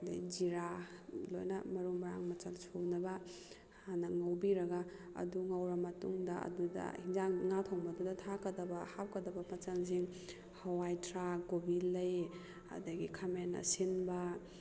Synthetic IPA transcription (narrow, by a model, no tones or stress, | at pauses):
dɐ̰jd͡ʒiɾalo̰jnɐmɐɾuŋbaɾaŋmɐt͡ʃalsʰuwnɐbɐ | hanɐŋawbiɾɐɡa | ɐ̰duŋawɾɐmɐtuŋdɐɐ̰dudɐ̰hinzaŋŋatʰɔŋbadudɐtʰakɐdɐbɐhap̚kɐdɐbɐpɐt͡ʃɐns̬iŋ | hawajtʰɾaɡobilːɐj | ɐ̰dɐɡikʰamenːɐ̰sinbɐ